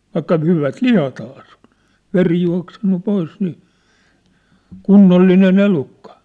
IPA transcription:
ʋɑikːɑ hyʋæt lihɑthɑː sĕ on̝ ʋeri juɑ̝ksenːu pois niː kunːolːinen elukːɑ

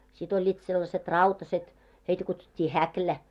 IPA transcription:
sit olʲːiːt selːɑset rɑutɑset heitæ kutsutʲːiː hæklæ

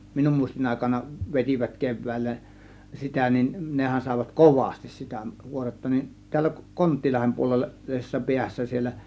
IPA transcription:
minum muˑistin ɑˑe̝kɑnɑ ʋetʲiʋæt keʋˑæˑilːæ sitæ nin nehæn sɑˑe̝ʋɑt koʋɑstis sitæ kuoretːɑ nin tiælːæ kon kontˑilɑhem puolelːɑ lisesːɑ piæsːæ sielːæ

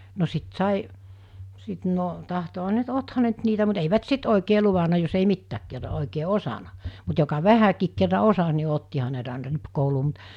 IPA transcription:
no sit sɑˑi sit no tɑhtohɑ ne nt othɑ ne nt niːtæ mut eiʋæt sit oˑikeː luʋɑnɑ jos ei mitːæːk kerːɑ oˑikeː osɑnɑ mut jokɑ ʋæhækiːk kerːɑ osɑs ni otːihɑ ne nt ɑˑenɑ ripkouluː mut

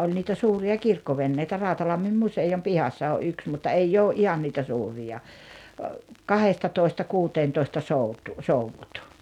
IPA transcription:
olʲ niːtæ suːriɑ kirkːoʋenːeitæ rɑˑutɑlɑmːim musejom pihɑsːɑ oʔ ʔyks mutːɑ eijː oːʔ ʔihɑn niːtæ suːrijɑ kɑhestɑtoistɑ kuːteːntoistɑ soutu souʋːut

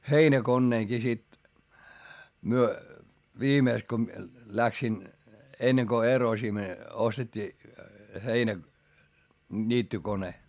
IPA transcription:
heinækonːeːŋki sit myø ʋiːmeˑks ko m̆ĭĕ læksin enːeŋ ko erosim ostetʲːiː heinæ nʲiːtːykone

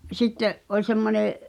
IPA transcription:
sitːeʔ ʔolʲ semːoneˑʔ

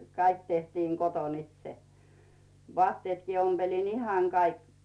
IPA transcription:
kɑik tehtiːŋ koton itse ʋŏɑˑtːieˑtkiː omb̥elin ihɑˑŋ kɑik

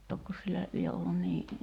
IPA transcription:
tokːos silːæ lie olːun niː

